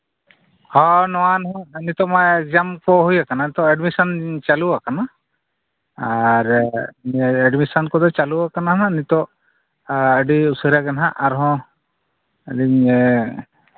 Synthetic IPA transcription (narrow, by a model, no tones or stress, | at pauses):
ɔnɔwanɦɔ̃ənit̪ɔmɔjd͡ʒamkɔɦujakananit̪ɔɛɖmisɔnt͡ʃaluwakana | aɾ | ɛɖmisɔnkɔd̪ɔt͡ʃaluwakanaɦnanit̪ɔ | əɖiusəɾaɡɛnaɦaʔaɾɦɔ̃ | əɖi